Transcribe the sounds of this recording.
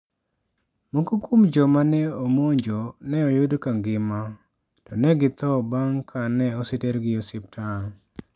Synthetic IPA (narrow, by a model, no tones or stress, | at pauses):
mokokomd͡ʒɔmanɛomoɲd͡ʒonɛɔjodkaŋɡɪma | tɔnɛɡɪt̪ɔbaŋkʰanɛɔsɪteɾɡɪosɪp̚tʰan